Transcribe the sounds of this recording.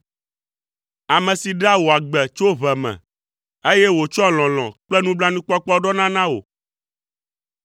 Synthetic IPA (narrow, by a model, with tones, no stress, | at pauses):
a˨mɛ̃˨si˨ɖa˦wo˨a˨ɡ͡bɛ˨t͡ʃo˦βɛ˨mɛ̰̃˨ | e˦jɛ˦wo˨t͡ʃɔ˦l̃ɔ̃˨lɔ̰̃˨k͡plɛ˦nũ˦bla˦nũ˦k͡pɔ˦k͡pɔ˦ɖɔ˦nã˦nã˦wo̰˨